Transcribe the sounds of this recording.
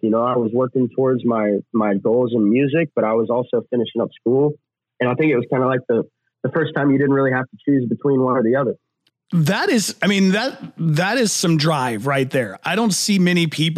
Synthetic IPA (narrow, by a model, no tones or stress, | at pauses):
jɨnoʊaɪwʌzwɜ˞kɪ̃ŋtʰɔɹdzmaɪmaɪɡoʊlˠzə̃nmjʉzɪk̚b̥ʌɾaɪwʌzɔlˠsoʊfɪ̃nɨʃɪ̃ŋʌpskulˠ | ɨ̃ñaɪθɪ̃ŋkɨt̚wʌz̥kʰãɪ̃ndəlaɪk̚ðə | ðəfɜ˞stʰãɪ̃mjɨɾɪdⁿn̩t̚ɹɪlˠiɦæftət͡ʃʰʉzbɨtʰw̥ĩnwʌ̃nə˞ðiʌðə˞ | ðəɾɪz̥aɪmĩnðɨt̚ðəɾɪz̥sʌ̃mdɹaɪvɹaɪt̪̚ðə˞aɪɾõʊ̃ntsimɛñipʰip